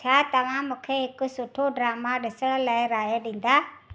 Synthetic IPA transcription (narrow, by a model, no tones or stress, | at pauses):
tʰaːt̪ɐʋ̤ãmũːkʰeɦɪkʊ̆sʊʈʰoɖɾaːmaɗɪsəɽ̃laːɪɾaːjaɗĩːn̆d̪aː